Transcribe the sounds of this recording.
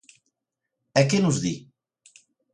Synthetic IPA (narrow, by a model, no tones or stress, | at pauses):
ɛkenuzði